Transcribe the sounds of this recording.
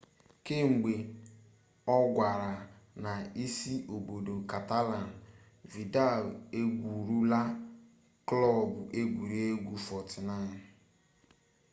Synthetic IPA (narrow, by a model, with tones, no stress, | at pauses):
ke˦ŋ͡m̩˨ɡ͡be˨ | ɔ˦ɡʷa˨ɾa˨ | na˨i˦si˦ʔo˨bo˨do˨ka˨ta˦la˨n̩˨ | vi˨da˦˨le˦ɡʷu˨ɾu˦la˦ | klɔ˦˨bʊ˨ʔe˦ɡʷu˨ɾi˦e˦ɡʷu˨fɔ˨tɪ˨na˦˨